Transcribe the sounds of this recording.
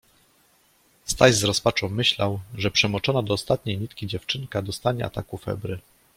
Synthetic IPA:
st̪ajzzɾɔspat͡ʂɔ̃w̃mɘɕlawʐɛpʂɛmɔt͡ʂɔnad̪ɔːst̪at̪ɲejɲit̪kʲid͡ʑɛft͡ʂɘŋkad̪ɔst̪aɲɛ̰a̰t̪a̰kufɛ̰bɾɘ

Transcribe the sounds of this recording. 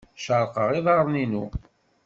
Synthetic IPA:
ʃəɾˤqəʁiðˤɑʁɾˤninu

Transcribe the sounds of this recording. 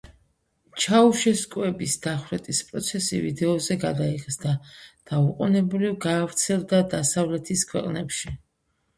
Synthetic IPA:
t͡ʃʰauʃɛskʼwɛbisd̪̥aχɾɛt̪ʼispʼɾɔt̪sʰɛsḭvḭd̪ɛɔzɛɡad̪aiʁsd̪ad̪̥auqʼunɛblivɡaːvɾt̪sʰɛlˠd̪ad̪asavlɛt̪ʰiskʰwɛ̰qʼnɛpʃi

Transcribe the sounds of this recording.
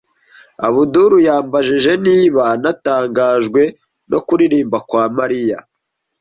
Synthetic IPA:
a̰βuduɾujaːmbaʒiʒe̞niːβanataːŋɡaːʒɡwe̞ | no̞kuɾiɾiːmbakwaːmaɾija̰

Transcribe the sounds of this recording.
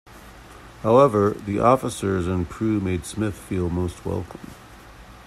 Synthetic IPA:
haʊɛvə˞ðiʔɔfəsə˞zɨ̃nkʰɹ̥ʉmeɪd̥smɪθfilˠmoʊst̚wɛ̰lˠkʰə̃m̩

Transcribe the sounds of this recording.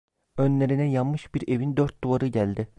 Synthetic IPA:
ønlʲeɾinɛjalˠmɯʃb̥iɾevind̪øɾt̪̚d̪uvaɾɯɟælʲd̪ɪ

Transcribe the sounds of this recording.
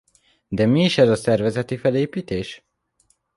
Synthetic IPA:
d̪ɛmiːʃɛzɒsɛrvɛzɛt̪ifɛleːpiːt̪eːʃ

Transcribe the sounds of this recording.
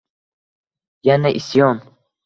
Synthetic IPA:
janaʔisjɒm

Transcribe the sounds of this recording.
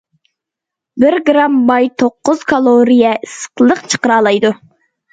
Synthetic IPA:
bɪɾɡɾɑmbɑjt̪ʰoqːʊz̥kʰɑlˠoɾijɛɨsə̥qlˠəqt͡ʃʰə̥qəɾɑːlˠɑjd̪u

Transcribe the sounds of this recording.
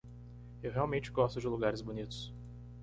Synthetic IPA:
ewɦeawmẽt͡ʃɪɡɔst̪ʊd͡ʒɪluɡaɾɪzbonit̪ʊ̥s

